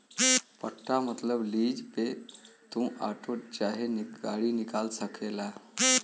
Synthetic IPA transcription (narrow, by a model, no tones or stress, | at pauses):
pəʈːamət̪ləblid͡ʑpet̪ũʔaʈʰoʈ̚t͡ɕaɦeniɡaɭiːnikalsəkʰela